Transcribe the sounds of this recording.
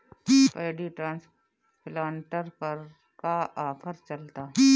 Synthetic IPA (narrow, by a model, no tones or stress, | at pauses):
peːɖiʈɾãːns | plaːnʈəɾpɐɾ | kaʔaːfʰəɾt͡ʃɐlt̪aː